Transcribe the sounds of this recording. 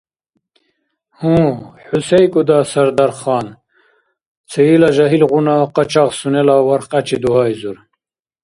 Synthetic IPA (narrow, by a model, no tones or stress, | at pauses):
hũħusejkud̪ɑːsɐɾd̪aɾχɑːn | t͡sʰeilaʑaɦilʁunaːqɑt͡ɕɑqsunelawɐɾqɐt͡ɕid̪uɦaːjzuɾ